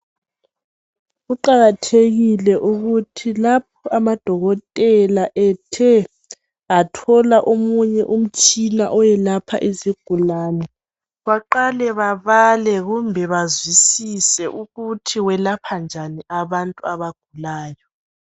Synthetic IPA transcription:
ɣuǃaɣatʰeɣilɛʔuɣutʰilap̚ʰɔamad̥ʱɔɣɔtʼɛlaʔɛtʰɛ | atʰɔlaʔomuɲɛʔum̩t͡ʃʼina̰ʔɔjɛlapʰa̰ʔeziɡ̥ʱulaːnɛ | βaǃalɛβaβalɛɣumbʱɛβazwisisɛʔuɣutʰiwɛlapʰand͡ʒʱaniaβantʼuaβaɡ̥ʱulaːjɔ

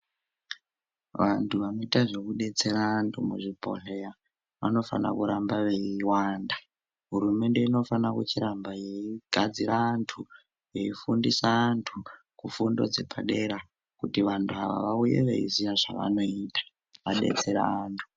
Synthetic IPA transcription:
ʋantʰuʋanoitaʐe̞kuɗe̞t͡se̞ɾaːntʰumuʐipo̞̰rea | ʋano̞fa̰na̰kuɾambaʋe̞iwaːnda | ɦuɾume̞nde̞ino̞fanakut͡ʃiɾambajeiɡ̥ʱad͡ziɾaːntʰu | je̞ifundisaːntʰu | kufundo̞̰d͡ze̞paɗe̞ɾa | kutiʋantʰuaʋa̰ʋaujḛʋḛḭzijaʐaʋa̰no̞iːtḁ | ʋaɗḛt͡se̞ɾa̰ːntʰu̥

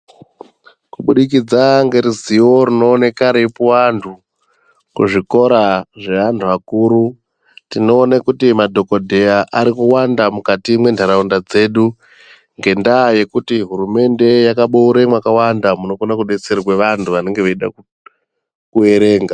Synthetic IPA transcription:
kuɓuɗikid͡zaŋɡe̞ɾiziwo̞ɾino̞ːnekaɾepuwantʰu | kuʐiko̞ɾaʐe̞ʋantʰuakuːɾu | tino̞ːnekutimadʱo̞kodʱe̞aʔaɾikuwandamukatimwe̞ndʱaɾaundad͡ze̞ːɗu | ŋɡe̞ndaːje̞kutiɦuɾume̞nde̞jakaɓouɾemwakawandamuno̞konakuɗet͡serweʋantʰuʋane̞ŋɡe̞ʋeiɗa̰ | kue̞ɾe̞ːŋɡa

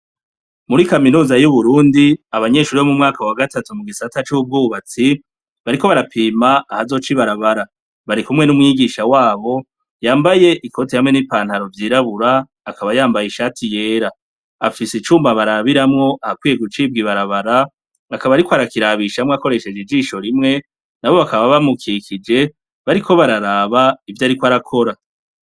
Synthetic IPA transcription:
muɾikaminuːzajuβuɾuːndiaβaɲe̞ːʃuɾiβomumŋaːkawaɡatatumuɡisatat͡ʃub̚ɡuβat͡si | βaɾiko̞βaɾapʰiːmaːhazo̞ːt͡ʃiβaɾaβaɾa | βaɾikumŋe̞numŋiːɡiʃawaːβo̞ | jaːmbaje̞ʔikʰo̞tihamŋe̞nipaːnhaɾo̞vjiːɾaβuɾaː | kaβajaːmbajiʃaːtʰije̞ːɾa | afisit͡ʃuːmbaβaɾaβiɾamŋo̞ʔahakwiːje̞ɡut͡ʃiːbɡiβaɾaβaɾaː | kaβaɾikwaɾakiɾaβiʃamŋako̞ɾe̞ʃe̞d͡ʒid͡ʒiːʃo̞ɾimŋe̞ | naβo̞βakaββaβamukʰikʰid͡ʒe̞ | βaɾikʰo̞βaɾaɾaːβaivjaɾikwaɾakʰo̞ɾa

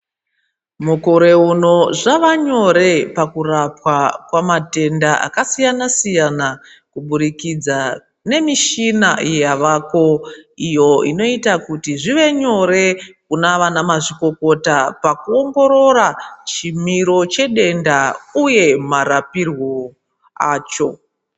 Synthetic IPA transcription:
muko̞ɾe̞uno̞ʐaʋaɲo̞ɾe̞pakurapwakwamate̞ndaʔa̰kasijanasijana | kuɓuɾikid͡za | ne̞miʃina̰jjaʋako̞ijo̞ino̞itakutiʐiʋe̞ɲo̞ɾe̞kunaʋanamaʐiko̞ko̞tapakuo̞ŋɡo̞ɾo̞ɾat͡ʃimiɾo̞t͡ʃe̞ɗe̞ndauje̞marapirwo̞ | aːt͡ʃo̞

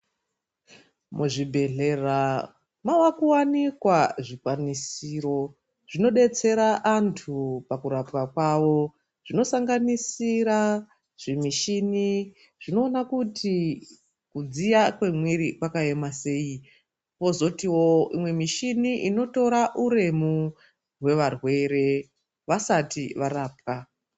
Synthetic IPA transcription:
mʔuʐibʱe̞ɮe̞ra | mawakuwanikwaʐikwanisiɾo̞ | ʐ̥ino̞ɗe̞t͡se̞ɾaʔantʰupakuɾapwakwawo̞ | ʐ̥ino̞saŋɡanisiɾa | ʐ̥imiʃini | ʐ̥ino̞ːnakutʰi | kud͡zijakwe̞mwiɾikwakae̞mase̞ːi | po̞zo̞tiwo̞imwe̞miʃiniʔino̞to̞ɾaʔuɾe̞mu | we̞ʋarwe̞ɾe̞ | ʋasatiʋaraːp̚ka

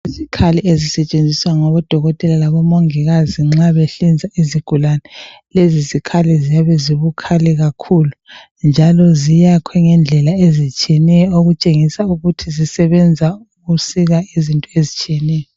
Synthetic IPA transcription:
izikʰaliezisɛt͡ʃʼend͡zʱiswaŋɔβɔd̥ʱɔɣɔtʼɛlalaβɔmoŋiɣaziŋ͡ǁaβeɬind͡zʱaiziɡ̥ʱulanɛ | lezizikʰalizijaβɛziβukʰalɛɣakʰulu | nd͡ʒʱalɔzijakʰwɛŋɛnd͡ɮʱɛlaezit͡ʃʼiɛnɛjɔoɣut͡ʃʼeŋisauɣutʰizisɛβɛnd͡zʱauɣusiɣaizintʼɔezit͡ʃʼiɛnɛjɔ

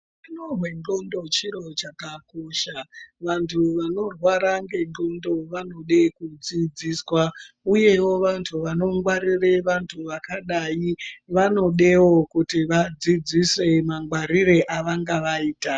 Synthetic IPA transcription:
inorwe̞nd͡ɮo̞ndo̞t͡ʃiɾo̞t͡ʃakakoʃaʋantʰuʋano̞rwaɾaŋɡe̞nd͡ɮo̞ndo̞ʋano̞ɗe̞kud͡zid͡ziswa | uje̞wo̞ʋantʰuʋano̞ŋɡwaɾireʋantʰuʋakaɗaiʋano̞ɗe̞wokutiʋad͡zid͡zise̞maŋɡwaɾireʔaʋaŋɡaʋaiːta

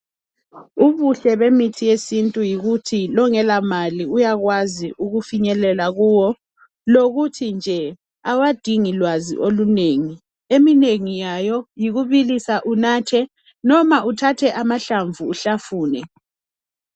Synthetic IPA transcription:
uβuɬɛβemitʰijesintʼujiɣutʰilɔŋɛlamaliujaɣwaziʔuɣufiɲɛlɛlaɣuːwɔ | loɣutʰind͡ʒʱɛ | awad̥ʱiŋilwazḭʔoluneːŋi | emineŋijajɔjiɣuβilisaʔunaːtʰɛ | nɔmaʔutʰatʰɛʔamaɬaɱvuːɬafuːnɛ

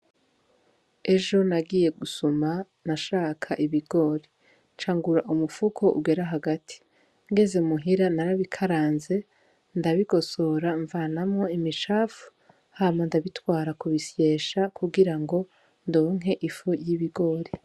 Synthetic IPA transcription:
e̞ʒo̞naɡiːje̞ɡusuma | naʃaːkʰaʔiβiɡo̞ːɾi | nt͡ʃaːŋɡuɾaʔumufukʰo̞ʔṵɡe̞ɾaɦaɡatʰi̥ | ŋɡe̞zemuɦiɾanaɾaβikʰaɾaːnze̞ | ndaβiɡo̞soɾaɱvanamŋo̞imit͡ʃaːfu̥ | haːmandaβitwaːɾakuβisje̞ːʃakʰuɡiɾaŋɡo̞ | ndoːŋ̥ɦe̞ʔifujiβiɡo̞ːɾi

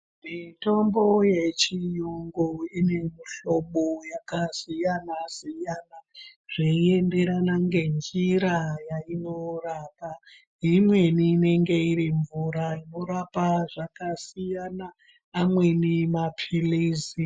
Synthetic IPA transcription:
mito̞mbo̞jet͡ʃijuŋɡoine̞muɬoɓojakasijanasijanaʐ̥eie̞nde̞ɾanaŋɡe̞nd͡ʒiɾajainoraːpa | imwe̞niːne̞ŋɡe̞iɾiɱvuɾaino̞ɾapaʐakasijanaː | mwe̞nimapʰiliːsi

